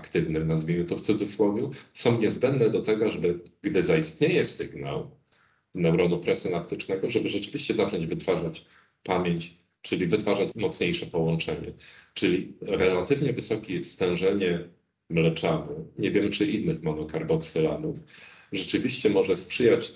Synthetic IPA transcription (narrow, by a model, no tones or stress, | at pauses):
akt̪ɘvnɘmnazvʲiɲut̪ɔft̪sud̪zɘswɔvʲjusɔ̃w̃ɲɛzbɛnd̪nɛd̪ɔt̪ɛɡɔʐɛbɘɡd̪ɘzaist̪ɲejɛsɘɡna̰w | nɛwɾɔnupɾɛsʲjɔnap̚t̪ɘt͡ʂnɛɡɔʐɛbɘʐɛt͡ʂɘvʲiɕt͡ɕɛzat͡ʂɔɲd͡ʑvɘt̪faʐat͡ɕ | pamʲjeɲt͡ɕ | t͡ʂɘlʲivɘt̪faʐat͡ɕmɔt̪sɲejʂɛpɔwɔnt͡ʂɛɲɛ̰t͡ʂɘlʲiɾɛlat̪ɘvɲɛvɘsɔkʲist̪ɛ̃w̃ʐɛɲɛ | mlɛt͡ʂanɛɲɛvʲjɛmt͡ʂɘinːɘxmɔnɔkaɾbɔksɛla̰nufʐɛt͡ʂɘvʲiɕt͡ɕɛmɔʐɛspʂɘjat͡ɕ